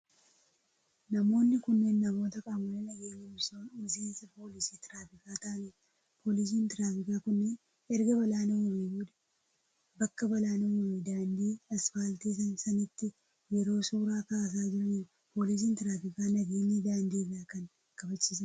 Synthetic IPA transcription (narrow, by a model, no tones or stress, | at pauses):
nɐmo̞ːnːɪkʊnːenːɐmo̞ːt̪ɐkʼaːmɐlenɐɡe̞ːɲɪsoʊseːnsɐpo̞ːlɪsiːt̪ɪɾaːfɪkaːt̪ɐʔɐniː | pʰo̞ːlɪs̬iːnt̪ɪɾaːfɪkaːkʊnːeːn | ɛɾɡɐbɐlaːnɛwɔmɛjuːᶑɐ̥ | bɐkːɐbɐlaːnɛwɔmɪd̪aːnd̪iːɐsfaːlt̪iːs̬ɐnsɐnɪt̪ːɪ | jɛɾo̞ːsuːɾaːkaːs̬aːd͡ʒɪɾɐniː | po̞ːlɪs̬iːnt̪ɪɾaːfɪkaːnɐɡe̞ːɲːiːd̪aːnd̪iːraːkɐŋ | kɐbɐt͡ʃːiːsɐ